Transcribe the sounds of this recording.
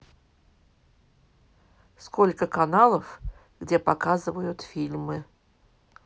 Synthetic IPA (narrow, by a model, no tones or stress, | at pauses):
skolʲkəkɐnalˠəf | ɡdʲepɐkazɨvəjʊt̪fʲilʲmɨ